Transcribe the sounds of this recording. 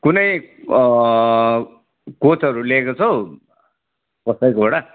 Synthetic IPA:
kunʌj | kot͡sʌɾulekot͡sʰʌw | kʌsʌjkobʌɽa

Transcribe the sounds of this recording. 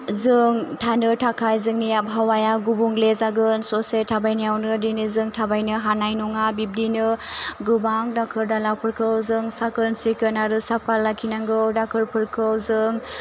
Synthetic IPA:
zɯŋtʰanɯtʰakʰajzɯŋnijabɦawajaɡubuŋlezaɡɯnsɔsetʰabajnijawnɯdinizɯŋtʰabajnɯɦanajnuŋabip̚dinɯɡɯbaŋdakʰɯɾdalawpʰɯɾkʰɯwzɯŋsakɯɾnsikɯnaɾɯsapʰalːakʰinaŋɡɯwdakʰɯɾpʰɯɾkʰɯwzɯŋ

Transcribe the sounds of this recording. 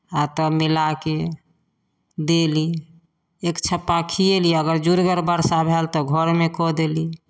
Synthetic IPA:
at̪ɔmilake | d̪eli | ekt͡ʃʰəpːakʰieliəɡəɾd͡ʒuɾɡəɾbəɾsabʱelt̪ɔɡʱəɾmekɔd̪eli

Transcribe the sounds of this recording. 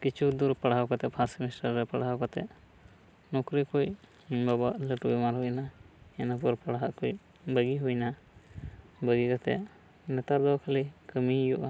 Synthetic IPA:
kit͡ʃʰud̪uɾpaɽawkat̪ɛpʰasmisʈaɾːɛpaɽawkɔt̪ɛ̰ʔ | nɔkɾikuj | babaʔləʈubɛmaɾɦujna | ɛnapuɾpaɽaɦaʔkuj | bəɡiɦujna | bəɡikat̪ɛ̰ | nɛt̪aɾd̪ɔwkʰalikəmijuʔa

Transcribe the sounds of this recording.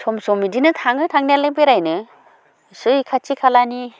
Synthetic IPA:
sʰɔmsɔmidinɯtʰaŋɯtʰaŋnijalebeɾajnɯ | sɯjkʰat͡ʃikʰalani

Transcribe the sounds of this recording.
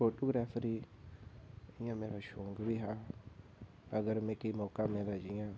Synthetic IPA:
oʈoɡɾafɾi | iɲameɾaʃoŋɡəbiɦa | aɡəɾmẽkemokamẽɾad͡ʒiɲa

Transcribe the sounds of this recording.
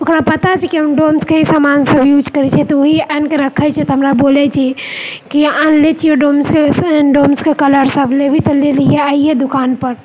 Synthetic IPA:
okɾapət̪at͡ʃʰɛkiɦəmɖomskeɦisamansəbjud͡ʒkəɾɛt͡ʃʰɛt̪ɔoɦiɛnkeɾəkʰːət͡ʃʰɛt̪ɔɦəmɾabolɛt͡ʃʰɛ | kiãnlet͡ʃʰioɖomskesɖomskekələɾsəbʱlebʱit̪əlelijeaijed̪ukanpəɾ

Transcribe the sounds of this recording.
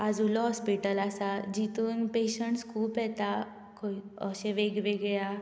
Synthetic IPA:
ad͡zulɔɦɔspiʈəlasad͡ʑit̪uːnpeɕəɳʈskʰuːpɛt̪a | kʰoəɕeʋeɡʋeɡja

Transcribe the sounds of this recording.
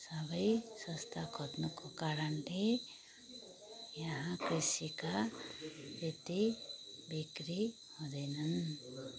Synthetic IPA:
sʌbʌjsʌst̪ʰaɡʰʱʌt̪nukokaɾʌnle | jʌɦãkɾisika | et̪ibikɾi | hʌd̪ʌjnʌn

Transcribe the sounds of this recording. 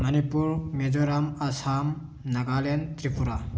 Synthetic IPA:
mɐnipuɾmed͡ʒoɾamɐsam | nɐɡalent̪ɾipʰuɾa

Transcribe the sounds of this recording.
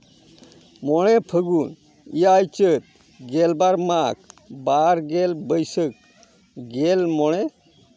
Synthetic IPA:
mɔɽ̃ɛpʰəɡun | ijajt͡ʃət̪̚ | ɡɛlbaɾmak̚baɾɡɛlbəjsək̚ | ɡɛlmɔɽ̃ɛ

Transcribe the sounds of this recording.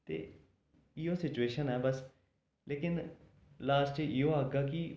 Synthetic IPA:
t̪ḛː | ɪoːsɪt͡ʃueːʃənɛːbəs | leːkɪn | laːst͡ʃɪjõːəɡaːki

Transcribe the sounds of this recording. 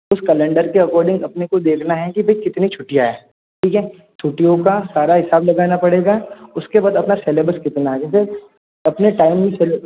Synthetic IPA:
ʊskɐlɛ̃ɳɖəɾkeɐkɔːɾɖɪ̃ŋɡɐpnekod̪eːkʰnaɦɛ̃kibʱɐɦikɪt̪nit͡ʃʰʊʈijaɦɛː | ʈʰiːkɦɛ̃ː | t͡ʃʰʊʈijõkasaːɾaɦɪsaːblɐɡaːnapɐɽeːɡaʊskebaːd̪ɐpnaseːleːbəɾskɪt̪naɦɛd͡ʒɛ̃se | ɐpneʈaːɪmmĩseːl

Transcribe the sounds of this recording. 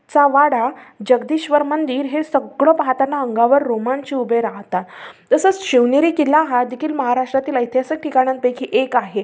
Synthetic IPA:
t͡saʋaɽad͡ʑəɡd̪iːɕʋəɾmənd̪iːɾɦesəɡɭɔpaɦat̪anːaəŋɡaʋəɾːomant͡ɕiːubeɾaɦt̪at̪t̪əsət͡sɕeʋneɾiːkilaɦad̪ikʰiːlməɦaɾaʂʈɾat̪iːləjt̪ʰjasək̚ʈʰikaɽ̃ãn̚pekʰiʔekaɦe

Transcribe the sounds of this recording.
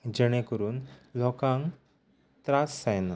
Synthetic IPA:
d͡ʑəɽ̃ekəɾuːnlɔkãŋ | t̪ɾasːajn

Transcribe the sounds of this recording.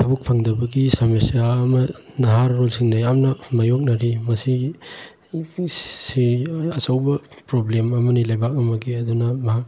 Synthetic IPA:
tʰɐbuk̚pʰɐŋdɐbɐɡisamesijaɐmɐ | nɐɦaɾːolsiŋnɐjamnɐmajok̚nɐɾimɐsi | siɐt͡ʃɐwbɐpɾoblemɐmɐnilajbak̚ɐmɐɡiɐdunɐmɐɦak̚

